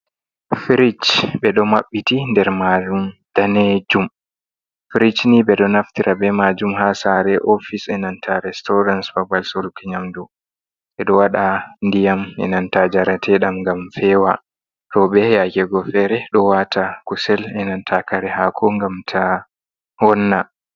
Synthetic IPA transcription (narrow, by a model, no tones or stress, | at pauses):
fiɾit͡ʃɓɛɗɔmaɓːitindɛɾmad͡ʒumd̥aned͡ʒum | fiɾit͡ʃniɓɛɗɔnaftiɾʔabɛmad͡ʒumhasaɾɛʔofisɛnantʰaɾɛstɔɾansfabalsɔlkɛɲamdu | ɓɛɗɔwaɗandijamɛ̰nantad͡ʒaɾatʰɛɗamŋɡamfɛːwa | tɔɓɛjakɛɡɔfɛɾɛɗɔwatʰakusɛlɛnantʰakaɾɛhakʰɔŋɡamtʰa | hɔnːa